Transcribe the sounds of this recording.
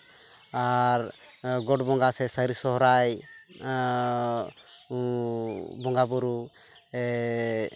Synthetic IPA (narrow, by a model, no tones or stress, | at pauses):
aɾ | ɡɔʈbɔŋɡasɛsəɾisɔɦɾaj | bɔŋɡabuɾu | ɛ